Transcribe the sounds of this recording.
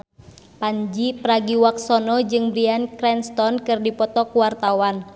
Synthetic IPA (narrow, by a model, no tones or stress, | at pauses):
paɲd͡ʒipɾaɡiwaksɔnɔd͡ʒɨŋbɾiankɾɛnst̪ɔnkɨrdipɔt̪ɔkuwart̪awan